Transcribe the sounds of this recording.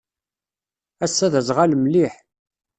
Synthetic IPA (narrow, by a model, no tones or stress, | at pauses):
æsːæðæzʁalmliħ